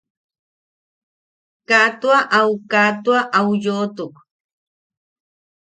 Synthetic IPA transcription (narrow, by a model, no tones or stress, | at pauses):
kat̪waʔawkat̪waʔawjoːt̪ʊk